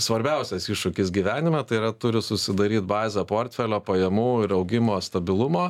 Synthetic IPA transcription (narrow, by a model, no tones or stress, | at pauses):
sʋɐɾʲbʲɛʊsʲɛsɪʃʃʊkʲɪs̬ɡʲiʋʲæːnʲɪmʲɛt̪ɐɪiɾɐt̪ʊɾʲɪsʊsʲɪd̪ɐɾʲiːt̪̚bɑːzʲɛpoːɾʲt̪ʲfʲɛlʲoːpɐjɛmuːɪɾɐʊɡʲɪmoːst̪ɐbʲɪlˠʊmoː